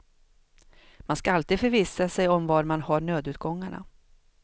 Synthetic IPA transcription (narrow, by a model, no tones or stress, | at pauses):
manskaalt̪iːd̪fœɾviːsasɛjɔmvɑɾmanhaɳøːd̪ʉ̟ːt̪̚ɡɔŋːaɳa̰